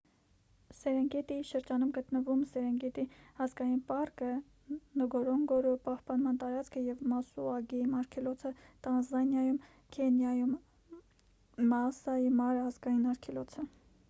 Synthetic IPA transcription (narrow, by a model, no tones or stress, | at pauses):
sɛɾɛŋɡɛt̪iʃəɾd͡ʒɑnumɡət̪nəvumsɛɾɛŋɡɛt̪iɑzɡɑjinpɑrkə | nəɡɔɾɔŋɡɔɾupɑhpɑnmɑnt̪ɑɾɑt͡skʰəjɛvmɑsuɑɡɛjimɑɾkʰɛlɔt͡sʰət̪ɑnzɑnjɑjum | kʰɛnjɑjum | mɑsɑjimɑɾəɑzɡɑjinɑɾkʰɛlɔt͡sʰə